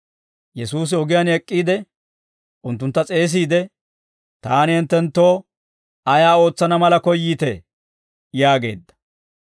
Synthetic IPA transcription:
jɛsuːs̬ɪɔɡɪjɐnɛkʼːiːd̪ɛ | ʔʊnt̪ːʊnt̪ːɐt͡sʼe̞ːs̬iːd̪ɛ | t̪aːnɪhɪnt̪ːɛnt̪ːo̞ː | ɐjaːo̞ːt͡sːɐnɐmɐlɐkɔjːiːt̪ɛ | jaːɡe̞̰ːd̪ːɐ̥

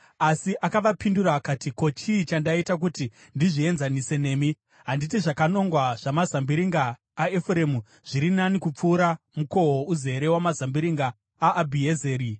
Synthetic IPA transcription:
asiʔakaʋapinduɾaːkatiko̞t͡ʃiːt͡ʃandaitak̬uti | ndiʐie̞nzanise̞ne̞ːmi | ɦanditiʐakano̞ŋɡwaʐ̥amazambiɾiŋɡaː | efuɾe̞mu | ʐ̥iɾinanikup͡fuːɾa | muko̞ɦouze̞ɾe̞wamazambiɾiŋɡaː | bʱieze̞ːɾi

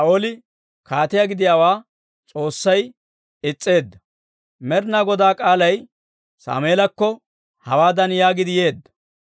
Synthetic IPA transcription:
sɐoːlɪ | kʰaːt̪ɪjaɡɪd̪ɪjaːwaː | t͡sʼo̞ːsːɐj | ɪt͡sʼːe̞ːd̪ːɐ | mɛɾnɐɡɔd̪aːkʼaːlɐj | sa̰ːmeːlɐkːɔ | hɐwaːd̪ɐnjaːɡɪd̪ɪje̞ːd̪ːɐ̥

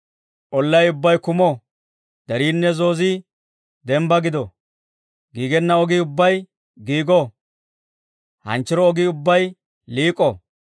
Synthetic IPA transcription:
ʔɔlːɐjʊbːɐjkʊmo | d̪̥ɐɾiːnːɛzo̞ːzi | d̪ɛmbɐɡɪd̪ɔ | ɡiːɡɛnːɐɔɡiʊbːɐj | ɡiːɡo | hɐ̰nt͡ʃːɪɾɔːɡiʊbːɐj | liːkʼɔ

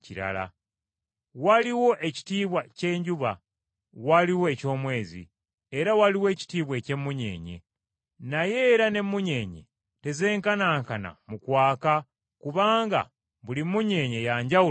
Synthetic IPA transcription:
ciɾa̰la̰ | waliwo̞ʔe̞ci̥tiːβwace̞ːɲɟuβa | waliwoeco̞ːmwe̞ːzḭ | eɾawaliwe̞ːci̥tiːβwe̞ce̞mːuɲḛːɲe̞̰ | naje̞ɾane̞mːuɲe̞ːɲe̞̰ | te̞ze̞ːŋkanaːŋkana̰mukwaːka | kuβaːŋɡa̰ | βulimːuɲe̞ːɲe̞jaɲɟau

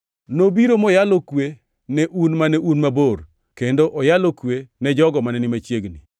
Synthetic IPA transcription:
nobiɾomɔjalokwe | nɛʔunmanɛʔunmabor | kendoʔɔjalokwenɛd͡ʒɔɡɔmanɛnɪmat͡ʃjeɡnḭ

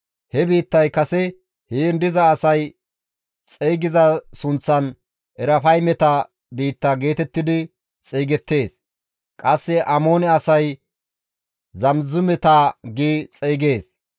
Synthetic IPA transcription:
hɛbiːt̪ːɐjkɐsɛ | heɛnd̪ɪzɐːsɐj | t͡sʼeːɡɪzɐsʊnt͡sːɐn | ʔɛɾɐfɐjmɛt̪ɐ | biːt̪ːɐɡe̞ːt̪ɛt̪ːɪd̪ɪ | t͡sʼeːɡɛt̪ːe̞ːs | kʼɐsːɛʔɐmo̞ːnɛɐsɐj | zɐmzʊmɛt̪aːɡiːt͡sʼeːɡe̞ːs

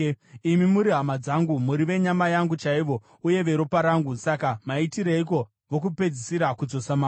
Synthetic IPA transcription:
imimuɾiɦamad͡zaŋɡumuɾiʋe̞ɲamajaŋɡut͡ʃaiʋo̞ | uje̞ʋe̞ɾopaɾaŋɡusakamaitiɾeik̬o̞ | ʋo̞k̬upe̞d͡zisiɾakud͡zo̞sama

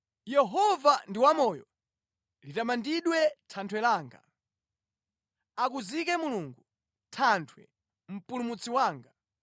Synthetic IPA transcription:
jɛɦɔvandiwamɔːjɔ̰ | litamandiɗwɛtʰantʰwɛlaːŋɡa̰ | akuzikɛmuluːŋɡu | tʰantʰwɛ̰ | m̩pulumut͡siwaːŋɡa

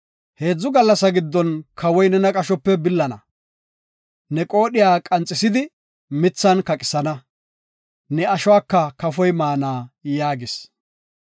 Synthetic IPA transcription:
he̞ːd͡zːʊɡɐlːɐsɐɡɪd̪ːɔnkʰɐwɔjnɛnɐkʼɐʃɔpːɛbɪlːɐnɐ̰ | nɛkʼo̞ːɗɪjaːkʼɐnt͡sʼːɪsɪd̪ɪ | mɪt͡sːɐnkɐkʼɪsɐnɐ | nɛɐʃɔwaːkːɐkɐfɔjmaːnaːjaːɡɪs

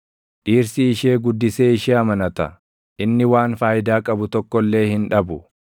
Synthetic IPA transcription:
ᶑiːɾsiːʃeːɡʊd̪ːɪse̞ːɪʃeːɐmɐnɐt̪ɐ | ʔɪnːɪwaːnfaːjɪd̪aːkʼɐbʊt̪ɔkːɔlːe̞ːhɪnᶑɐbʊ

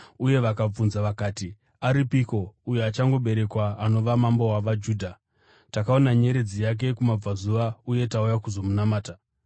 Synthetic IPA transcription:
uje̞ʋakab͡vunzaʋakaːti | aɾipiko̞ujeat͡ʃaŋɡo̞ɓe̞ɾe̞kwaːno̞ʋamambo̞waʋad͡ʒuːdʱa | takao̞naɲe̞ɾe̞d͡zijak̬e̞kumab͡vazuʋauje̞taujakuzo̞munamaːta

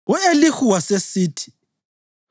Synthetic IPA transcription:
uelixuwasesiːtʰi̥

